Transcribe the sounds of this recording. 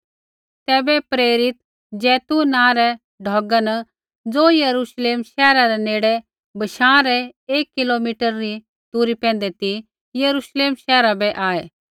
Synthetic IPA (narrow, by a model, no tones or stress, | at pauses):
t̪ɛːbɛpɾeːɾɪt̪ | d͡ʒɛːt̪unãːɾɛ | ɖʱɔːɡən | d͡zoːjɐɾuːʃleːmʃɛːɾaɾɛneːɽɛ | bɐʃãːɾɛeːkːɪlomiːʈəɾːi | t̪uːɾipɛ̃ːn̆d̪ɛt̪i | jɐɾuːʃleːmʃɛːɾabɛʔaːeː